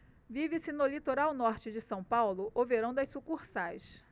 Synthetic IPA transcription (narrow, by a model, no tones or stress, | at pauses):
vivɪsɪnʊlit̪oɾawnɔɾt͡ʃɪd͡ʒɪsɐ̃w̃pawlʊʔopeɾɐ̃d̪ʊɐjsukuɾsajs